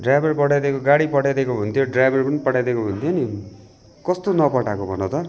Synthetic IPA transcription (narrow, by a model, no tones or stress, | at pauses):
ɖrajbʌrpʌʈajd̪ekoɡaɽipʌʈajd̪ekoɦunt̪ʰjoɖrajbʱʌrpʌnipʌʈʰajd̪ekoɦunt̪ʰjoni | kʌst̪onʌpʌʈakobʱʌ̰nõt̪ʌ